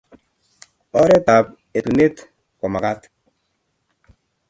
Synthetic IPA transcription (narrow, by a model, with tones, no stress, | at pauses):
ɔ˦ɾɛ˦ta˨p̚ | e˨tu˨ne˦t | kɔ˨ma˨ka˦t